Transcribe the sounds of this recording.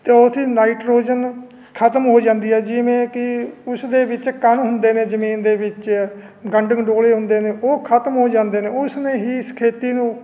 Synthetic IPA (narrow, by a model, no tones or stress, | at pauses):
t̪eːʊsʰiːnaːiʈɾoːd͡ʒən | kʰət̪mɦoːd͡ʒãːnd̪iːɦɛːd͡ʒɪʋẽːkɪʊsd̪eːbɪt͡ʃkənɦʊnd̪eːnẽːd͡ʒəmiːnd̪eːbɪt͡ʃ | ɡəɳɖəŋɖoːleːɦʊ̃nd̪eːneːʔoːkʰət̪mɦoːd͡ʒãːnd̪eːneːʊsnẽːɦiːskʰeːt̪iːnũː